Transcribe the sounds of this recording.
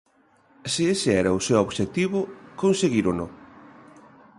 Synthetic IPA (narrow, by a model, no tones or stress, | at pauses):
sɪesɪɛɾɐʊsewoβʃet̪iβʊkonseɣiɾono